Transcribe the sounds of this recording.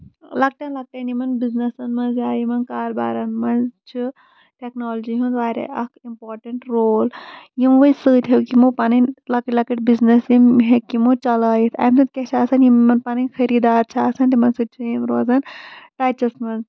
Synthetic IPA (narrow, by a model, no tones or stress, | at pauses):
lɐk̚ʈɐnlɐk̚ʈɐnimɐnbiznɐsɐnmɐnzjaːjimɐnkaːɾba̰ːɾɐnmɐnt͡ʃʰi | ʈeknoːld͡ʒiɦũnzʋaːɾʲḛʔɐkimpoːɾʈɐɳʈɾoːljimʋəisɨːt̪ʲɦekimopanɐnlɐkɐʈlɐkɐʈ̚biznɐsjimɦekimot͡ʃɐlaːjit̪ʰɐ̰ːjmsɨt̪̚kʲet͡ʃʰaːsɐnjimːɐnpaːninʲxʰɐɾiːd̪aːɾt͡ʃʰaːsɐnt̪imɐnsɨt̪̚ʲt͡ʃʰujimɾoːzɐnʈaːjt͡ʃɐsmɐnz